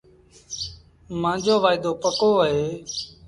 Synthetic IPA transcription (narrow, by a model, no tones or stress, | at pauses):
mãːd͡ʒʱoːʋaːɪd̪oːpəkoːəɦeː